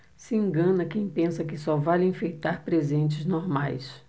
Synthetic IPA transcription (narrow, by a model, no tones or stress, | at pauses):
sɪẽŋɡɐ̃nɐkẽj̃pẽsɐkɪsɔvalẽfejt̪aɾpɾezẽnt͡ʃɪznoɾmajs